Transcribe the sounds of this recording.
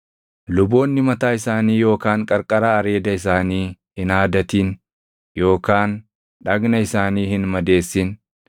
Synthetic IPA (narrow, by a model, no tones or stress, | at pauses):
lʊbo̞ːnːɪmɐt̪aːɪsaːniːjo̞ːkaːŋkʼɐɾkʼɐɾaːɐɾe̞ːd̪ɐɪs̬aːniːhɪnaːd̪ɐt̪in | jo̞ːkaːn | ᶑɐɡnɐɪsaːniːhɪnmɐd̪e̞ːsːɪn